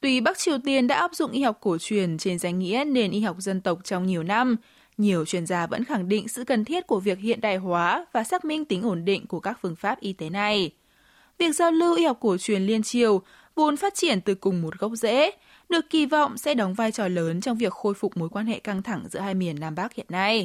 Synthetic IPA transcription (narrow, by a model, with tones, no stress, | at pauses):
t̪wi˧ɓa˦˥k̚t͡ɕi˨˩əwt̪i˧ənɗa̰ː˧˥ʔaː˦˥p̚zʊ̰˧˨ŋ͡mʔi˧ha˨˩wk͡p̚ko˧˩t͡ɕwi˨˧˩ənt͡ɕe˧nza˨˩ŋ̟ŋḭ˧˥əne˧nʔi˧hɔ˨˩wk͡p̚zə˧nt̪ə˨˩wk͡p̚t͡ɕɔ˧wŋ͡mɲi˨˩əwna˧m | ɲi˨˩əwt͡ɕwi˧˩ənzaː˨˧˩və̰˧˥nxa˧˩ŋɗḭ˧˨ŋ̟sɨ̰˧˨kə˨˩nt̪ʰi˦˥ət̚ku˧˩əvi˨˩ək̚hḭ˧˨ənɗa̰ː˧˨jɦwaː˨˦vaː˨˩saː˦˥k̚mï˧ŋ̟t̪ï˨˦ŋ̟ʔo˧˩nɗḭ̈˧˨ŋku˧˩əkaː˦˥k̚fɨ˧˩əŋfaː˦˥p̚ʔi˧t̪e˨˦na˨˩j | vi˨˩ək̚zaː˧wlɨ˧ʔi˧ha˨˩wk͡p̚ku˧˩ət͡ɕwi˨˩ənli˧ənt͡ɕi˨˩əw | vo˨˦nfaː˦˥t̚t͡ɕi˧˩ənt̪ɨ˨˩kʊ˨˩ŋ͡mmo˨˩t̚ɣə˦˥wk͡p̚zḛ˧˥ | ɗɨ˨˩əkːi˧˩vɔ̰˧˨wŋ͡msɛ̰˧˥ɗɔ˨˦wŋ͡mvaː˧jt͡ɕɔ˨˩ləː˨˦nt͡ɕɔ˧wŋ͡mvi˨˩ək̚xo˧jfʊ˨˩k͡p̚mo˨˦jkwaː˧nhḛ˧˨ka˧ŋt̪ʰa˧˩ŋzɨ̰˧˥əɦaː˧jmi˨˩ənːaː˧mɓaː˦˥k̚hḭ˧˨ənːa˧j